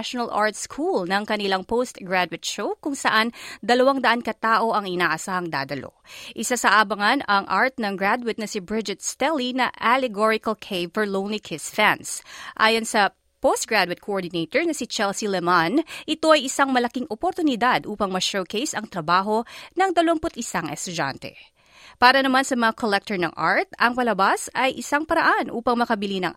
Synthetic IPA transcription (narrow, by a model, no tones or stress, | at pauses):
ʃonɐlʔa̰ɹt̪skʰulnɐŋkɐnɪlaŋpost̪ɡɹad̪wɪt̪̚ʃowkʊŋsɐʔand̪ɐlɐwaŋd̪ɐʔankɐt̪aːʔo̞ʔɐŋɪnaːʔɐsaːhɐŋd̪a̰ːd̪ɐlo̰ʔɪsasɐʔaːbɐŋɐnɐŋʔaɹt̪̚nɐŋɡɹad̪wɪt̪̚nɐsibɹɪd͡ʒɛt̪st̪ɛlinɐ̰ʔalɛɡoɹɪkɐlkʰejvəɹlownlikʰɪsfɛnsʔa̰ːjonsɐ | post̪̚ɡɹad̪wɪt̪̚kʰoʔoɹd̪ɪnet̪oɹnɐsit͡ʃɛlsilɛmanʔɪt̪o̞ʔɐjɪsaŋmɐlɐkiŋʔopoɾt̪ʊnɪd̪ad̪ʔuːpɐŋmɐʃowkejsɐŋt̪ɾɐbaːɦo̞nɐŋd̪ɐlompʊt̪ʔɪsaŋʔɛst̪ʊd͡ʒa̰nt̪ɛ̰ | paːɾɐnɐmansɐmɐŋakʰolɛk̚t̪ɔɹnɐ̰ŋʔa̰ɹt̪̚ʔɐŋpɐlɐbasɐjʔɪsaŋpɐɾɐʔanʔuːpɐŋmɐkɐbɪlinɐ̰ŋ